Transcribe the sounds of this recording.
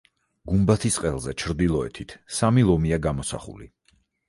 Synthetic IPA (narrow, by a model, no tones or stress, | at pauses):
ɡumbat̪ʰisqʼɛlˠzɛt͡ʃʰɾd̪ilˠɔɛ̰t̪ʰit̪ʰsamilˠɔmiaɡamɔsa̰χṵlḭ